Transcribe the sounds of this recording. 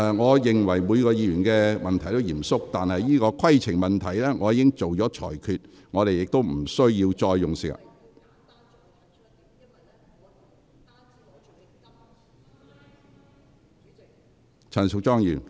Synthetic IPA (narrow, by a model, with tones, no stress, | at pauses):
ŋɔː˨˧jɪ˨ŋwɐ˨˩jmuː˨˧jkɔː˧jiː˨˧jyː˨˩nkɛː˧mɐ˨nt̪ʰɐ˨˩jt̪o˥wjiː˨˩msʊ˥k̚t̪aː˨nhɐ˨jːiː˥kɔː˧kʰɐ˥jt͡sʰɪ˨˩ŋmɐ˨nt̪ʰɐ˨˩jlɛː˥ŋɔː˨˧jiː˧˥kɪ˥ŋt͡so˨wt͡ʃɔː˨˥t͡ʃʰɔ̰ː˨˩jkʰyː˨t̚ | ŋɔː˨˧ɾe˨jɪ˨k̚t̪o˥wm̩˨˩sɵ˥ɥjiː˧wt͡ʃɔː˧jːʊ˨ŋsɪ˨˥k̚ | t͡sʰɐ˨˩sʰʊ˨˩k̚t͡ʃɔː˥ŋjyː˨˩n